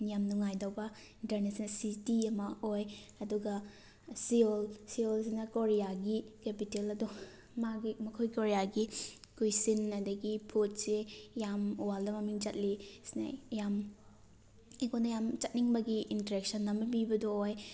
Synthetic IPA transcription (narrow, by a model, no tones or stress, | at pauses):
nijamnuŋajdawbɐ | intɐɾnesensitiɐmɐojɐduɡɐ | siolsiols̬inɐkoɾijaɡikepitelɐdu | maɡimɐkʰojkoɾijaɡikujsinɐdɐɡipʰot̚sejamuwaldɐmɐmiŋd͡ʒɐt̚lisinɐ̰jam | ekʰonɐjamt͡ʃɐt̚niŋbɐɡiʔːntɾek̚sɐnːɐmɐbibɐdooj